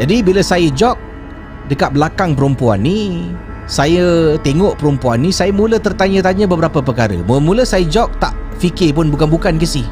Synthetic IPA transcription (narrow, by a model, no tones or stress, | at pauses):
d͡ʒadibiləsajəd͡ʒɔk̚ | dəkat̪̚bəlakaŋp̬əɾəmpua̰nːi | sajət̪eŋɔʔpəɾumpuanːisajamulət̪ərt̪aɲə̃t̪aɲə̃bəbəɾapəpəkaɾə̰mumuləsajəd͡ʒɔk̚t̪a̰ʔfikɪp̬ʊnbukanbukankəsi